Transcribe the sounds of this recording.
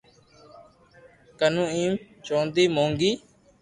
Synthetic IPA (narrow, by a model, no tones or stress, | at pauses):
kənũːĩːm | t͡ʃõːnd̪iːmõːŋɡiː